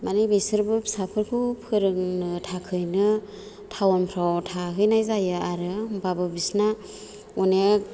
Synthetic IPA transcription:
manɯjbesɯɾbɯpsapʰɯɾkʰupʰɯɾɯŋnɯtʰakʰɯjnɯ | tʰawampʰɾawtʰakɯjnajzajɯaɾɯmbabɯbisna | une

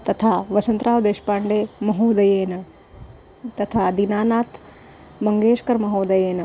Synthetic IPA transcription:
t̪ɐt̪ʰaːʋɐsɐnt̪ɾaːʋd̪eːʃpaːɳɖeːmɐɦoːd̪ɐjeːnɐ | t̪ɐt̪ʰaːd̪inaːnaːt̪ʰ | mɐŋɡeːʃkɐɾmɐɦoːd̪ɐjeːnɐ

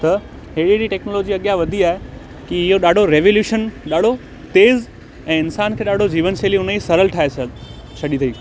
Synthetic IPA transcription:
t̪ɐ | ɦeɽiɦɪɾiʈɛːknoːloːd͡ʑiɐɠijaʋɐd̪ʱiaːɦe | kiɪɦoɗaːɖʱoɾeːʋoːljuːʃənɗaːɖʱo | t̪eːz | ɛ̃ːɪnsaːnkʰeːɗaːɖ̤ʱod͡ʑiːʋənseːliʊnəisɐɾəlʈʰaːɦesʰɐd̪ | t͡ɕʰɐɗit̪ʰɐĩː

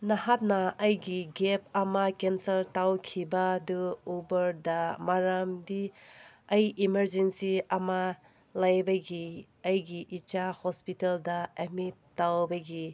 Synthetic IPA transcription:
nahat̚nɐːjɡiɡep̚ʰɐmakensɐɾtawkʰibadɯubɐɾdɐmaɾamdi | ɐjimɐɾd͡ʒensiɐma | lajbɐɡi | ɐjɡiʔit͡ʃahospiteldɐɐmitawbɐɡi

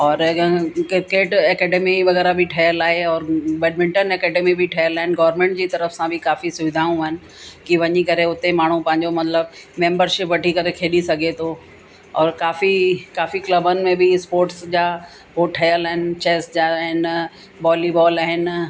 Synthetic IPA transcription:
ɔːɾkɪɾkeːʈɛːkɛːɖeːmiʋɐɣɛːɾabʱɪʈʰɐjəlaːɦeɔːɾʋɛːɖmɪ̃ɳʈənɛːkɛːɖeːmibɪʈʰɐjəlaːɦɪnɡɔːʋəɾmẽːɳʈ̚d͡ʑiːt̪ɐɾəfsãbʱɪkaːfisʊʋɪd̪ʱaːũaːɦɪnɪ̆ | kiʋɐɲikɐɾeʊt̪emaːɳ̤ũpɐ̃ɦɪ̃ɲd͡ʑomɐt̪ləb̚mẽːmbəɾʃɪpʋɐʈʰikɐɾekʰeːɗisɐɡʱet̪ʰo | ɔːɾkaːfikaːfiklɐbənɪ̆mẽbʱɪspoːɾʈsd͡ʑaː | poʈʰɐjəlaːɦɪnɪt͡ɕeːsd͡ʑaːɦɪn | bɔːlibɔːlaːɦɪn

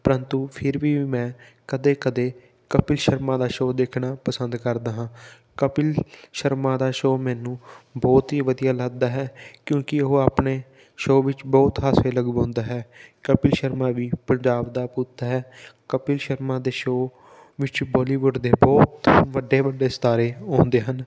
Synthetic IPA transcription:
pəɾənt̪uːpʰɪɾʋiːmɛ̃ːkəd̪eːkəd̪eː | kəpɪlʃəɾmãːd̪aːʃoːd̪eːkʰnaːpəsənd̪kəɾd̪aːɦãː | kəpɪlʃəɾmãːd̪aːʃoːmɛːnũːbɔːt̪ɦiːʋəd̪ijaːlaɡ̚d̪aːɦɛːkjõːkɪəɦoːaːpneː | ʃoːʋɪt͡ʃbɔːt̪ɦaːseːləɡbãːnd̪aːɦɛːkəpɪlʃəɾmãːʋiːpəɲd͡ʒaːbd̪aːpuːt̪ːaɦɛːkəpɪlʃəɾmãːd̪eːʃoː | ʋɪt͡ʃbɔːliːʋʊɖd̪eːbɔːt̪ʋəɖːeːʋəɖeːst̪aːɾeːɔ̃ːnd̪eːɦən

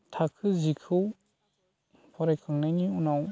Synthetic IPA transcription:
tʰakʰɯzikʰɯw | pʰɔɾajkʰɯŋnajniunaw

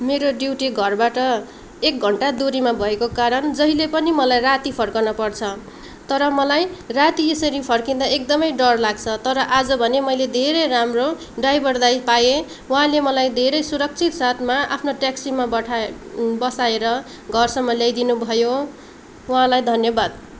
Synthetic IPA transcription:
meɾoɖiwʈiɡʱʌrbaʈʌ | ek̚ɡʱʌɳʈad̪uɾimabʱʌekokaɾʌnd͡zʌɦilepʌnimʌlajrat̪ipʰʌrkʌnʌpʌrt͡sʰʌ | t̪ʌɾʌmʌlajrat̪iesʌɾipʰʌrkind̪aek̚d̪ʌmʌjɖʌrlaɡt͡sʰʌt̪ʌɾʌʔad͡zʌbʱʌnemʌjled̪ʱeɾʌjramro | ɖajbʱʌrd̪ajpaje | wʌɦãlemʌlajd̪ʱeɾʌjsuɾʌk̚t͡sʰit̪sat̪ʰmaʔapʰnoʈaksimabʌʈʰbʌsaeɾʌ | ɡʱʌrsʌmːʌljajd̪inubʱʌjo | wɦãlajd̪ʱʌnjʌbad̪̚

